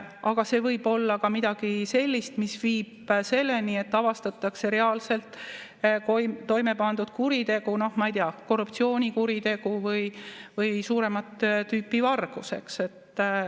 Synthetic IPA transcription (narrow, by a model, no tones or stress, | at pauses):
ʔɑɡ̥ɑse̞ːvɤjb̥o̞lːɑkɑmid̪̥ɑɡ̥ise̞lʲːist̪misviːb̥se̞lːenie̞t̪ːɑvɑst̪ɑt̪ːˑɑkse̞ɾe̞ɑːlse̞lt̪ːˑkot̪o̞jme̞pɑnd̪ud̪̥kuɾit̪e̞ɡ̥uno̞hmɑijt̪iɑko̞rːupt̪sio̞ːnʲikuɾit̪e̞ɡ̥uvɯjvɯjsuːɾe̞mɑt̪t̪yːpːivɑrɡ̥use̞kse̞t̪ːˑ